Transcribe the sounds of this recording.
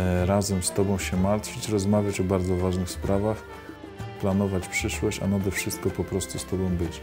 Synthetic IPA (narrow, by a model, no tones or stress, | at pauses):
ɾazɛmst̪ɔbɔ̃w̃ɕɛmaɾt̪fʲɘt͡ɕɾɔzmavʲjat͡ɕɔbaɾd̪zɔvaʐnɘxspɾavax | planɔvat͡ɕpʂɘʂwɔɕt͡ɕa̰nad̪ɛfʂɘst̪̚kɔpɔpɾɔst̪ust̪ɔbɔ̃w̃bɘt͡ɕ